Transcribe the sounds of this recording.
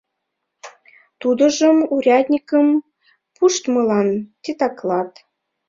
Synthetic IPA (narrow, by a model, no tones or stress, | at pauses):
t̪ud̪ə̆ʒə̆muɾʲɑd̪ʲnʲikəm | puʃt̪mɤ̆lɑnt̪ʲit̪ɑklɑt̪